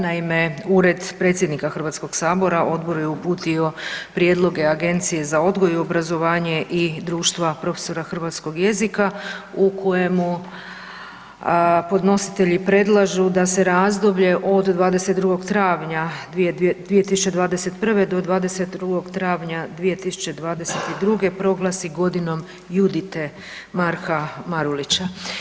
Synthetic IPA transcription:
naime̞uːɾe̞d̪pɾe̞ːt̪sjed̪nikaxr̩ʋat̪sko̞ɡ̥saːbo̞ɾaʔo̞d̪bo̞ɾujeupuːt̪io̞pɾje̞d̪lˠo̞ɡe̞aɡe̞nt̪sije̞zao̞d̪ɡo̞juobɾazo̞ʋaːɲe̞ʔid̪ɾuːʃt̪ʋapɾo̞feso̞ɾaxr̩ʋat̪sko̞ɡje̞zikaukʰo̞je̞mu | po̞d̪no̞si̥t̪e̞ʎipɾe̞d̪lˠaʒud̪ase̞ɾaːzd̪o̞bʎe̞ʔo̞d̪d̪ʋaːd̪e̞se̞t̪d̪ɾuɡo̞ɡt̪ɾaːʋɲad̪d̪ʋijet̪isu̥t͡ʃe̞d̪ʋaːd̪e̞set̪pr̩ʋe̞d̪o̞d̪ʋaːd̪e̞set̪̚d̪ɾuɡo̞ɡt̪ɾaːʋɲad̪ʋije̞t̪isu̥t͡ɕe̞d̪ʋaːd̪ese̞t̪id̪ɾuɡe̞pɾo̞ɡlˠasiɡo̞d̪ino̞m | jud̪it̪e | maɾxamaɾulit͡ɕa

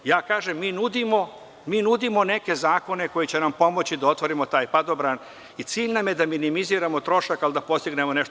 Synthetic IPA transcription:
jaːkaːʒemːiːnud̪imo | miːnud̪imo̞ne̞ke̞zaːko̞ne̞ko̞jit͡ɕe̞nampo̞mo̞t͡ɕid̪ao̞t̪ʋo̞ɾimo̞t̪aːjpad̪o̞bɾaːn | it̪siːʎnamje̞d̪aminimiziːɾamo̞t̪ɾo̞ʃakalid̪apo̞st̪iɡne̞moneʃt̪o

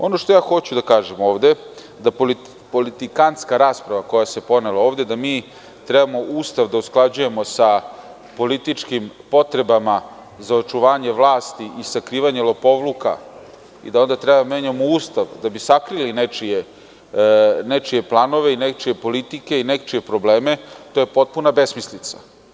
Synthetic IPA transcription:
o̞no̞ʃt̪o̞jaːxo̞t͡ɕud̪akaːʒemo̞ːʋd̪e | d̪apoli | polit̪ikanskaɾaːspɾaʋako̞jase̞po̞nelaoːʋd̪ed̪amiː | t̪ɾɛbamo̞ʔuːst̪aʋd̪ausklˠad͡ʑuje̞mo̞sa | po̞lit̪it͡ʂkimpo̞t̪ɾe̞bama | zao̞t͡ʃuʋaːɲeʋlaːst̪iʔisakɾiːʋaɲe̞lˠo̞po̞ʋluka̰ | ḭd̪ao̞nd̪at̪ɾebad̪ameːɲamouːst̪aʋd̪abisakɾilinet͡ʃie | net͡ʃie̞plˠano̞ʋeinek̚t͡ʃije̞po̞lit̪ike̞inek̚t͡ʃie̞pɾo̞ble̞ːme̞t̪ojepo̞t̪̚punabesmislit̪sa̰

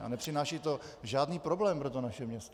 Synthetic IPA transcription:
a̰nɛpr̥ɪnaːʃit̪o | ʒaːdniːpɾoblɛːmpɾot̪onaʃɛmɲɛst̪

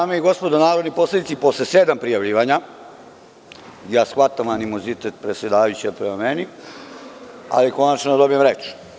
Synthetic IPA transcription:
aːmeiɡo̞spo̞d̪onaːɾo̞d̪nipo̞sled̪it̪ipo̞slese̞d̪ampɾijaʋʎiːʋaɲa | jaːsxʋat̪amanimo̞zit̪et̪pɾesʲje̞d̪aːʋajut͡ɕiapɾemameni | a̰liko̞nat͡ʃnod̪o̞bijemɾet͡ʃ

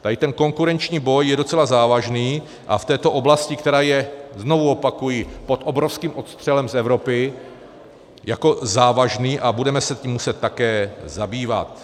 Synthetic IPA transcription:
t̪adɪt̪ɛnko̞ŋkuɾɛnt͡ʃɲiːbo̞jːɛdo̞t͡sɛlazaːvaʒniː | ʔa̰ft̪ɛːt̪o̞ʔo̞blascɪkt̪ɛɾaːjɛzno̞vuo̞pakujipo̞t̪ʔo̞bɾofskiːmʔo̞t̪st̪r̥ɛlɛmsɛvɾo̞pɪ | jako̞zaːvaʒniːʔabudɛmɛsɛtciːmːusɛt̪̚ːakɛːzabiːva̰t̪

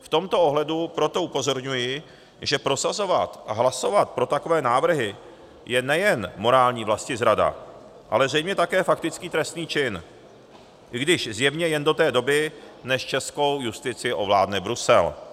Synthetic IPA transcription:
ft̪o̞mt̪oo̞ɦlɛdupɾo̞t̪o̞upo̞zo̞ɾɲujɪ | ʒɛpɾo̞sazo̞vat̪aɦlaso̞vat̪̚pɾo̞t̪ako̞vɛːnaːvr̩ɦɪ | jɛnɛjɛnmo̞ɾaːlɲiːvlascɪzɾada̰ | ʔa̰lɛzrɛjmɲɛt̪akɛːfak̚t̪ɪt͡skiːt̪ɾɛst̪niːt͡ʃɪn | ʔɪɡdɪʃzjɛvɲɛjɛndo̞t̪ɛːdo̞bɪnɛʃt͡ʃɛsko̞wjust̪ɪt͡sɪɪʔo̞vla̰ːdnɛbɾusɛ̰l

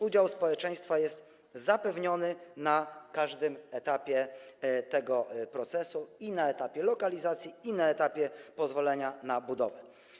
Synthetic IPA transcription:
ud͡ʑawspɔwɛt͡ʂɛ̃j̃st̪fajɛst̪ | zapɛvɲɔnɘnakaʐd̪ɘmɛt̪apʲjɛt̪ɛɡɔpɾɔt̪sɛsuinaɛt̪apʲjɛlɔkalʲizat̪sʲjiinaɛt̪apʲjɛpɔzvɔlɛɲanabud̪ɔ̰vɛ

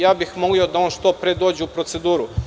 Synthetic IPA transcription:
jaːbixmo̞lio̞d̪aonʃt̪o̞ːpɾed̪o̞ːd͡ʑeupɾo̞t̪se̞d̪uːɾu

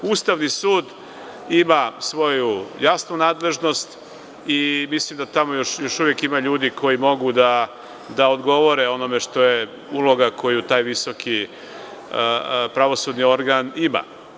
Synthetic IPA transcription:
ust̪aʋnisuːd̪ | imasʋo̞jujasnunaːd̪le̞ʒno̞st̪ | imislimd̪at̪amo̞joʃjo̞ʃuʋjekimaʎuːd̪ikʰo̞jimo̞ɡud̪a | d̪aod̪ɡo̞ʋo̞ɾeo̞no̞meʃt̪o̞je | ulo̞ɡakʰo̞jut̪aːjʋiso̞kʰi | pɾaʋo̞sud̪nio̞ɾɡanima̰

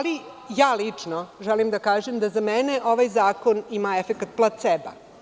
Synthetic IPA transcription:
ali | jaːlit͡ʂnoʒɛlimd̪akaːʒemd̪azameneʔoʋajzaːkonimaefekat̪̚plˠat̪sɛba̰

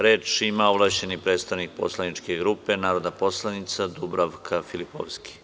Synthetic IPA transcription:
ɾe̞ːt͡ʃimaoblˠaʃt͡ɕe̞nipɾeːt̪st̪aʋnik̚po̞̰slanit͡ʃkeɡɾupe̞naːɾo̞d̪napo̞slˠanit̪sad̪ubɾaʋkʰafilipo̰ʋski̥

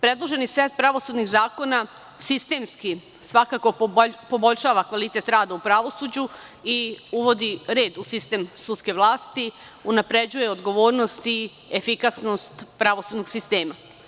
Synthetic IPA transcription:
pɾe̞d̪lˠo̞ʒe̞nisʋeːt̪̚pɾaʋo̞sud̪niɣzaːko̞na | sist̪e̞ːmski | sʋakako̞po̞bo̞ʎʲʃaːʋakʋalit̪e̞t̪ɾaːd̪aupɾaʋo̞sud͡ʑu | iuʋo̞d̪iɾe̞ːd̪usist̪e̞ːmsut̪ske̞ʋlˠaːst̪i | unapɾe̞d͡ʑuje̞od̪ɡo̞ʋo̞ːɾno̞st̪i | efikasno̞st̪pɾaʋo̞sud̪noɡsist̪e̞ːma

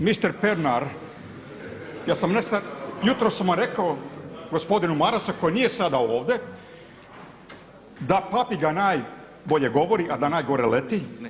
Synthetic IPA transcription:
mist̪eɾpeɾnaɾ | jaːsamnest̪ajut̪ɾosamaɾe̞kaoɡo̞spo̞d̪inumaɾasuko̞jnije̞sad̪aoːʋd̪e̞ | d̪apapiɡanaːj | bo̞ʎe̞ɡo̞ʋo̞ɾiʔad̪anaːjɡo̞ɾelet̪i

